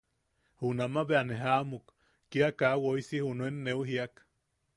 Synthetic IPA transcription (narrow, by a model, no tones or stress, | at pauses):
hunamaβeaneɦamukː | iakawoisihunoenːeuɦiak